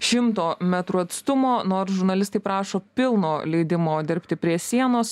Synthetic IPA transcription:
ʃʲɪmt̪oːmʲæt̪ɾuɐt̪st̪ʊmoːnoːɾsʒʊɾnɐlʲɪst̪ɐɪpɾɑːʃoːpʲɪlˠnoːlʲɛɪd̪ʲɪmoːd̪ʲɪɾʲpʲt̪ʲɪpʲɾʲiɛsʲiɛnoːs

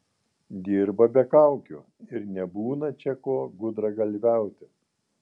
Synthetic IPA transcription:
d̪ʲiːɾbɐbʲɛkɐˑʊkʲʊ | ɪɾnʲɛbuːnɐt͡ʃʲɛkoːɡʊd̪ɾɐɡɐlʲʋʲæˑʊt̪ʲɪ

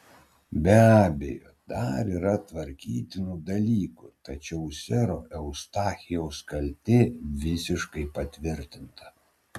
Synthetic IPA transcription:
bʲæːbʲejoːd̪ɐɾiːɾɐt̪ʋɐɾʲkʲiːt̪ʲɪnuːd̪ɐlʲiːkuːt̪ɐt͡ʃʲɛʊsʲɛɾoːʔɛʊst̪ɑːxʲɪjɛʊskɐlʲt̪ʲɪʋʲɪsʲɪʃkɐɪpɐt̪ʲʋʲɪɾʲt̪ʲɪnt̪ɐ̥

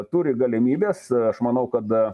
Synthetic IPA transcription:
t̪uɾʲɪɡɐlʲɪmʲiːbʲeːsɐʃmɐnɐʊkɐt̪

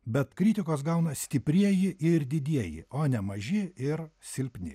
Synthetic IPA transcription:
bʲɛt̪kɾʲɪt̪ʲɪkoːs̬ɡɐʊnɐsʲt̪ʲɪpʲɾʲiɛjɪʔɪɾd̪ʲɪd̪ʲiɛjɪ̰oːnʲɛmɐʒʲɪɪɾsʲɪlʲpʲnʲɪ̰

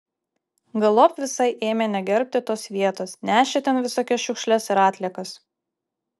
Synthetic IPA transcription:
ɡɐlˠɔpʲʋʲɪsɐɪʔeːmʲenʲɛɡʲɛɾʲp̚ʲt̪ʲɪt̪oːsʋʲiɛt̪oːsnʲæːʃʲet̪ʲɛnʋʲɪsoːkʲɛʃʲʊkʃʲlʲɛsɪɾɑːt̪ʲlʲiɛkɐs

